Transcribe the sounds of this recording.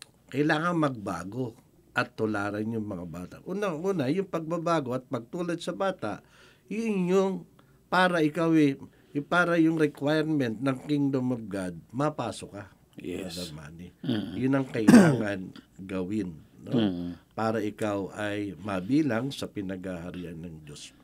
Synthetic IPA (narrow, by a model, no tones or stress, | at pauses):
kɐʔɪlaːŋɐŋmɐɡ̚ba̰ːɡo̞ | ʔɐt̪ːʊlaːɾɐnjʊŋmɐŋabaːt̪a̰ʔuːnɐŋuːnɐjʊŋpɐɡ̚babaːɡo̞ɐt̪̚pɐɡ̚t̪uːlɐd̪̚sɐbaːt̪aʔ | jʊnjʊŋ | paːɾɐʔɪkawɛ | ʊpaːɾɐjʊŋɾɛkwajɛɾmɛnt̪̚nɐŋkɪŋd̪omɐb̚ɡad̪̚mɐpaːsoka | ɐd̪ɐma̰ːnɪjʊnɐŋkɐʔɪlaːŋɐnɡɐwɪnnopaːɾɐʔɪkawɐjmɐbiːlaŋsɐpɪnɐɡhahɐɾiːʔanːɐŋd͡ʒos